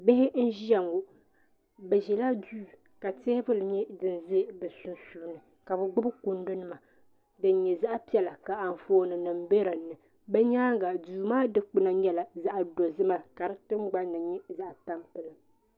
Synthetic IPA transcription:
bɛ˦hɪ˦n̩˦ʒi˦a˨ŋɡo˨ | bɛ˨ʒɛ˨la˦duː˦˨ | ka˨te˦bɨ˦lɲɛ˦dɨ˨n˨ze˦bɛ˨su˨nsu˨nɨ˨ | ka˨bɛ˨ɡ͡bʊ˦bɨ˦ku˨ndɨ˦nɨ˦ma˨ | dɨ˨n˦ɲɛ˨za˦ʔa˦pi˦ɛ˦la˨ka˨a˨ɱ̩˨foː˦nɨ˨nɨ˨m˦be˦ɾɨ˨nɨ˨ | bɛ˦ɲaː˦ŋɡa˨duː˨maː˦dɨ˦k͡pɨ˦na˨ɲɛ˦la˨za˦ʔa˨do˨zɨ˦ma˦ka˨ɾɨ˦tɨ˦m˦ɡ͡ba˦n˦nɨ˨ɲɛ˦za˦ʔa˨ta˦mpɨ˨lɨ˨

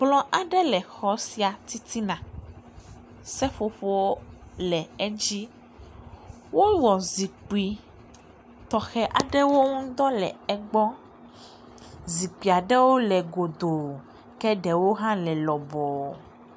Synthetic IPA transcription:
blɔ̃˦ʔa˨ɖɛ˦lɛ˨xɔ˦si˦a˨t̪i˦t̪i˦nã˨ | sɛ˦ɸo˦ɸo˦wo˦lɛ˨ɛ˦d͡ʑi˦ | wo˦wɔ˨zi˨k͡pi˨ | t̪ɔ˨xɛ˦ʔa˨ɖɛ˦wo˦ŋũ˦d̪ɔ˦lɛ˨ɛ˦ɡ͡bɔ˦ | zi˨k͡pi˨a˨ɖɛ˦wo˦lɛ˨ɡo˨d̪o˨ | kɛ˦ɖɛ˨wo˦ɦã˦lɛ˨lɔ˨bɔ˨

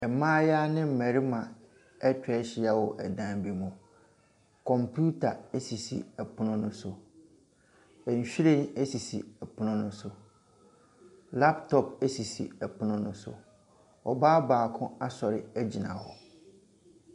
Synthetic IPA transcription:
ɛ˨mãː˦ja˦nɪ̃˦m̩˨mæ˨ɾi˦mã˨ | ɛ˦t͡ɕᶣɛ˨˦ɕɪ˨a˦wɔ˨ʔɛ˨dã˦bi˦mʊ̃˨ | kʰɔ̃˨mpʰu˦tʰa˨æ˦si˨sḭ˨ɛ˨pʰʊ˦nʊ̃˦nʊ̃˦sʊ˨ | ɛ˨ɲ̩˨ɕᶣi˦ɾẽ˦˨næ˦si˨sḭ˨ɛ˨pʰʊ˦nʊ̃˦nʊ̃˦sʊ˨ | la˦ptʰɔ˨pæ˦si˨sḭ˨ɛ˨pʰʊ˦nʊ̃˦nʊ̃˦sʊ̰˨ | ɔ˨baː˦baː˨kʰʊ̃˦a˦sɔ˨ɾɪ˦æ˦d͡ʑi˨nã̰˨hɔ̰˨

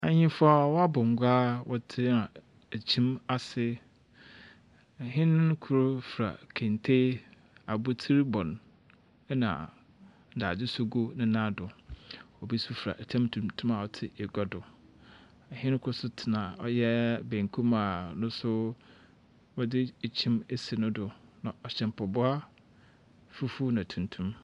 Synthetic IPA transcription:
a˨ɲɪ̃˦fʊ˦a˨wɔ˦a˦bʊ˨ŋ˨ɡʷaː˦wʔɔ˦tʰɪ˦nã˨ | æ˨t͡ɕʰĩ˦ma˦sɪ˦ | ɛ˨ɦɪ̃˦n˦kʰʊ˨ɾʊ˦fɾa̰˨kʰẽ˨ntʰe˦ | a˨bʊ˦tʰi˦ɾbɔ̃˨n | ɛ˦nã̰˨ | n̩˨da˨dɪ˦sʊ˦ɡo˦nɪ̃˦nã˦dʊ˨ɔ˨bi˦sʊ˦fɾa̰˨ʔtʰã˦mtʰũ˨mtʰũ˦ma˨ɔ˨tʰɪ˦e˨ɡɔ˦dʊ˨ | ɛ˨hɪ̃˦n˦kʰʊ˦sʊ˦tʰɪ˨nã˨ɔ̰˨˦jɛ˦bẽ˨ŋkʰũ˦ma˨nʊ̃˦sʊ˦ | wɔ˦dɪ˦˨t͡ɕʰĩ˦me˦si˨nʊ̃˦dʊ˨nã˨ɔ˨ɕɛ̃˨m˨pʰɔ˨bʊ˦a˦ | fu˦fu˦nã˨tʰũ˨ntʰũ˦m

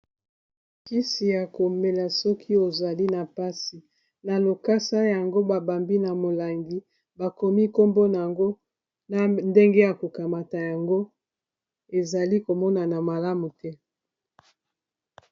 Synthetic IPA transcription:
ki˦si˨ja˨ko˨me˨la˨sɔ˦kʰi˦o˨za˨li˦na˨pa˦si˨ | na˨lo˨ka˦sa˦ja˨ŋɡo˦ba˨ba˨mbi˦na˨mo˨la˨ŋɡi˨ | ba˨ko˨mi˦ko˦mbo˦na˨a˨ŋɡo˦ | na˨nde˦ŋɡe˦ja˨ko˨ka˨ma˨ta˨ja˨ŋɡo˦ | e˨za˨li˦ko˨mɔ˦na˨na˨ma˨la˦mu˨tɛ˦

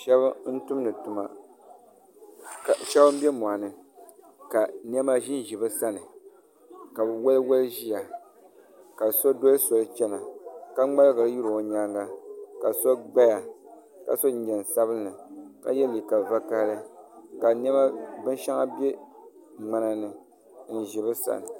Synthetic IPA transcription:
ʃɛ˦bn̩˦tʊ˦mnɨ˨tu˨ma̰˨ | ʃɛ˦bɨ˦m̩˦bʲɛ˦m˨a˨nɨ˨ | ka˨n˦ɛ˦ma˦ʒi˦n˨ʒi˨bɨ˦sa˦nɨ˨ | ka˨bɨ˨wɛ˦lɨ˦wɛ˦lɨ˦ʒi˦ja˨ | ka˨so˦do˦so˨lɨ˦t͡ʃɛ˦na˨ka˦ŋ͡ma˦lɡɨ˨lɨ˦ju˦ɾo˨o˨ɲa˦ŋɡa˦ka˨so˦ɡ͡ba˦ja˨ | ka̰˨so˦ɲ̩˦ɲɛ˨n˨sa˦βɨ˦nɨ˨ka̰˨jɛ˦li˨ka˨va˦ka˦ɾɨ˦ka˨nɛ˦ma˦bɨ˦n˦ʃa˦ŋa˦bɛ˦ | ŋ͡ma˨na˦nɨ˨ | n̩˨ʒɪ˨bɨ˦sa̰˦˨nɨ˨

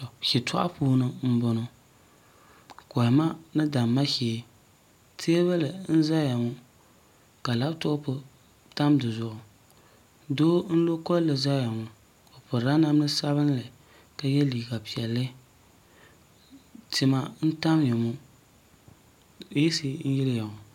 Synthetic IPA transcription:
ʃi˨tʰa̰˦ʔa̰˦puː˦nɨ˦m̩˦bɔ˦nɔ˦ | kɔ˨ma˦nɨ˦da˨mːa˦ʃiː˨˦ | tʰe˦βa˦lɨ˨n̩˦za˦ja˨ŋʊ˦ | ka˨la˦bto˦pʊ˦ | ta˦mdɨ˨zʊ˨ʔʊ˨ | doː˦n̩˦lo˦kɔ˦llɨ˨za˦ja˨ŋʊ˨ | o˨pʊ˨ɾa˦na˦m˦nɨ˦sa˦βɨ˦n˦lɨ˨ | ka˦jɛ˦liː˨ɡa˨pi˨ɛ˨lːɨ˦ | tɪ˨ma˨n̩˦ta˦mjɛ˨ŋʊ˦ | e˦si˦n̩˦jɪ˦ɾɪ˦ja˨ŋʊ˨

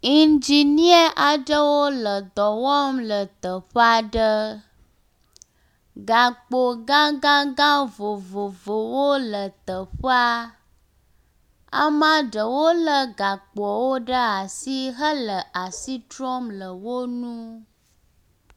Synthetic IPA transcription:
i˨nd͡ʒi˨ni˦ə˦ʔa˨ɖə˦wo˦lə˨d̪ɔ˨wɔ˦mlə˨t̪ə˨ɸə˦a˦ɖə˦ | ɡa˨k͡po˨ɡã˦ɡã˦ɡã˦vo˨vo˨vo˨wo˦lə˨t̪ə˨ɸə˦a˦ | a̰˦mã˦ɖə˨wo˦lə˨ɡa˨k͡pɔ˨wo˦ɖə˦a˨si˦ɦə˦lə˨ʔa˨si˦tɾɔ˦mlə˨wo˦nũ˦

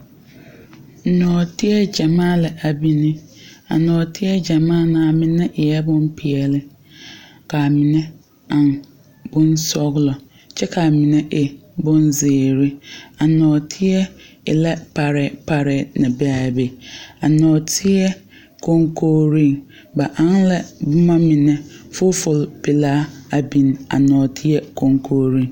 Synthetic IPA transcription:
n̩˨nɔ̃ː˨tʰɪ˦ɛ˦d͡ʒa˨mãː˦lɪ˨ʔa˨bi˦nĩ˦a̰˨nɔ̃ː˨tʰɪ˦ɛ˦d͡ʒa˨mãː˦˨nã˨a˨mɪ̃˨nɛ̃˦ʔɪ˨jɛ˦bʊ̃˦n˦pʰi˨ɛ˨lɪ˦ | ka˨mɪ̃˨nɛ̃˦ | ã˨n | bʊ̃˦n˦sɔ˦ɡlɔ˨ | t͡ʃʰɛ˦kʰa˨mĩ˨nɛ̃˦ʔe˨bʊ̃˦n˦zeː˨ɾi˦a˨nɔ̃˨tʰi˦ɛ˦ | ɪ˨lɛ˦pʰa˨ɾɪ˨pʰa˨ɾɪ˨nã˨bɛ˦a˨be˨a˨nɔ̃ː˨tʰi˦ɛ˦ | kʰo˨ŋkʰo˦ɾĩ˦˨ŋ | ba˨ʔã˦nlɛ˦bʊ˦mã˦mĩ˨nɛ̃˦fʊ˦fʊ˨lpʰɪ˨laː˦a˨bĩ˨na̰˨nɔ̃ː˨tʰi˦ɛ˦kʰo˨ŋkʰo˨ɾĩ˦˨ŋ˨

